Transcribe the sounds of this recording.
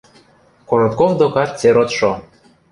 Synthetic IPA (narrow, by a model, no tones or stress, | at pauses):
koɾot̪kovd̪okɑt̪̚t͡seɾot̪ʃo